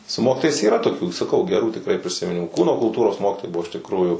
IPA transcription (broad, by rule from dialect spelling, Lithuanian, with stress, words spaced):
sʊ ˈmoːkʲɪtoːjɛɪs iːˈrɐ toːˈkʲuː sɐˈkɐʊ ɡʲɛˈruː tʲɪkˈrɐɪ pʲrʲɪsʲɪmʲɪˈnʲɪmuː ˈkuːnoː kʊlˠˈtuːroːs ˈmoːkʲɪtoːjɛɪ ˈbʊʋoː ɪʃ tʲɪkˈruːjʊ